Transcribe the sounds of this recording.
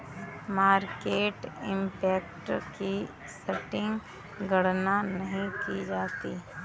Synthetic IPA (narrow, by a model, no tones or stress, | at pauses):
maːɾkeːʈɪ̃mpɛːkʈki | sɐʈɪ̃ŋɡ | ɡɐɽ̤nanɐɦĩkid͡ʒaːt̪iː